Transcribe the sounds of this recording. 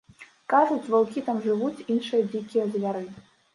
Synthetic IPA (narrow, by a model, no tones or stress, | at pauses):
kaʐut͡sʲvalˠkʲit̪amʐɨvut͡sʲinʂɨjɐd͡zʲikʲijɐzʲvʲaɾɨ